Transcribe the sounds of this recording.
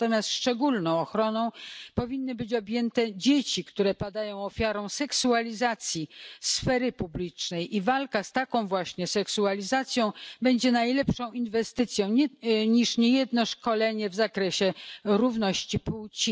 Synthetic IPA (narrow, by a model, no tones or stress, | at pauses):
t̪ɔmʲjast̪ʂt͡ʂɛɡulnɔ̃w̃ɔxɾɔnɔ̃w̃pɔvʲinːɘbɘt͡ɕɔbʲjɛnt̪ɛd͡ʑet͡ɕikt̪uɾɛpad̪ajɔ̃w̃ɔfʲjaɾɔ̃w̃sɛksualʲizat̪sʲjisfɛɾɘpublʲit͡ʂnɛjʔivalkast̪akɔ̃w̃vwaɕɲɛsɛksualʲizat̪sʲjɔ̃w̃bɛɲd͡ʑɛnajlɛpʂɔ̃w̃invɛst̪ɘt̪sʲjɔ̃w̃ɲiʂɲejɛd̪nɔʂkɔlɛɲɛvzakɾɛɕɛɾuvnɔɕt͡ɕipuwt͡ɕi